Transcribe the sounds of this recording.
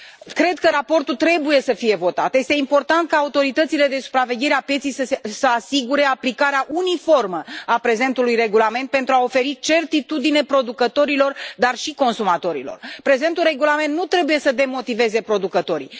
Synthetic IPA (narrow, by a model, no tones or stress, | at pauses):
kɾe̞d̪kəɾapo̞rt̪ult̪ɾe̞buje̞səfije̞vo̞t̪a̰t̪je̞st̪eimpo̞rt̪ant̪̚kaːut̪o̞ɾit̪ət̪sile̞d̪e̞su̥pɾave̞ɡʲe̞ɾeapjet̪sijsəesəasiɡuɾe̞aplikaɾeaʔunifo̞rməapɾe̞ze̞nt̪ulujre̞ɡulame̞nt̪̚pe̞nt̪ɾuao̞fe̞ɾit͡ʃe̞rt̪it̪ud̪ine̞pɾo̞d̪ukət̪o̞ɾilo̞rd̪arʃiko̞nsumat̪o̞ɾḭlo̰rpɾe̞ze̞nt̪ulre̞ɡulament̪nut̪ɾe̞bujesəd̪e̞mo̞t̪ive̞ze̞pɾo̞d̪ukət̪o̞ɾḭ